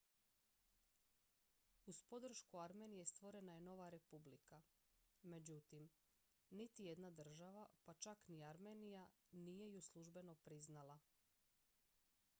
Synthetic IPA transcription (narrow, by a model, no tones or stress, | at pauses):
uspo̞d̪r̩ʃkuaɾme̞nije̞st̪ʋo̞ɾe̞naje̞no̞ʋaɾe̞publika | me̞d͡ʑut̪im | nit̪ije̞d̪nad̪r̩ʒaʋapat͡ʃakniaɾme̞nijanije̞juslˠuʒbe̞no̞pɾiznala